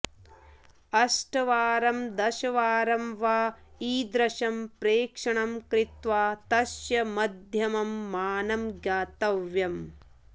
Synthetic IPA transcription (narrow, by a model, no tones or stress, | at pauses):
ɐsʈɐʋaːɾɐmd̪ɐʃɐʋaːɾɐmʋaː | iːd̪ɾɐʃɐmpɾeːkʂɐɳɐmkɾɪt̪ʋaːt̪ɐʃjɐmɐd̪ʱjɐmɐmːaːnɐmɡjaːt̪ɐʋjɐm